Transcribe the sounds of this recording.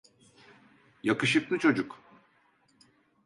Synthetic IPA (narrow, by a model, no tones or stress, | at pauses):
jakɯʃɯklˠɯt͡ʃʰo̞d͡ʒuk